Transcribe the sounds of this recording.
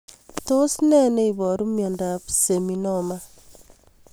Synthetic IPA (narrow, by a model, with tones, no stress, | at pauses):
to˦snɛ˦ne˦i˨bɔ˨ɾu˦mjɔ˨nda˨pse˨mi˨nɔ˦ma˦